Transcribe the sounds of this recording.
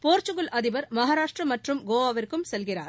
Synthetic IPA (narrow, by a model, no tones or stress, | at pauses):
poːɾt͡ʃɯɣɯlʔɐðɪbɐɾmɐɦaːɾaːʂʈrɐmɐʈrɯmɡoːʋaːʋɐɾkɯmsɛlɣɪra̰ːɾ